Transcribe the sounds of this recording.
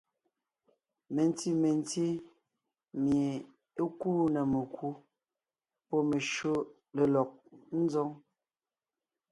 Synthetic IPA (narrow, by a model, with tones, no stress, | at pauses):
me˨n˦ti˦me˨n˦ti˦ | mje˨ | e˦kuː˦nɛ˨me˨kʰu˦ | pɔ˦me˨ʃo˦ | le˨lɔ˨k̚n̩˦zɔ˦ŋ